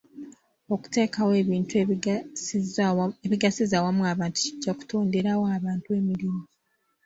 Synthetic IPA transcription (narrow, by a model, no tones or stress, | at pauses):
o̞ku̥te̞ːkawe̞βiːntu | eβiɡasizawamuaːβaːntu̥ciɟːaku̥to̞ːnde̞ɾawoaβaːntue̞miɾimi